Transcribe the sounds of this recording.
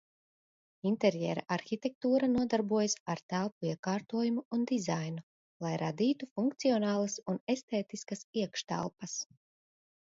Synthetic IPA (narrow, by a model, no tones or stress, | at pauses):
int̪ɛɾjɛːɾa̰ʔaɾxit̪ɛk̚t̪uːɾanuɔd̪aɾbuɔjasaɾt̪ælˠpuiɛkaːɾt̪uɔjumuːnd̪izajnu | lˠajɾad̪iːt̪ufuŋkt̪siɔnaːlˠɐsunest̪eːt̪iskasiɛkʃt̪a̰lˠpɐs